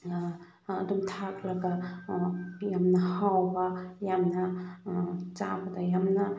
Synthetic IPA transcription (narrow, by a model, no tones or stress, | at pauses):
ɐdumt̪ʰak̚laɡa | jamnɐhawbɐjamnɐ | t͡ʃabad̪ajamna